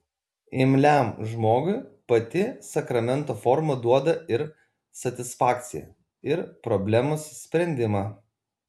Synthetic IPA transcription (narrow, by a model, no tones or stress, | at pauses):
ɪmʲlʲæˑmʒmoːɡʊɪpɐt̪ʲɪsɐkɾɐmʲɛnˑt̪oːfɔɾmɐd̪uɔd̪ɐɪɾ | sɐt̪ʲɪsfɑːkt̪sʲɪ̰jɛ̰ | ɪɾpɾɔbʲlʲɛmossʲpʲɾʲɛnʲd̪ʲɪmɑː